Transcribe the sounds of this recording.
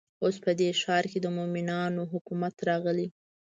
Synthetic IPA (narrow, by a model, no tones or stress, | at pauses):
ospəd̪eʃɑɾked̪əmomɪnɑnoɦʊkumat̪ɾɑɣəli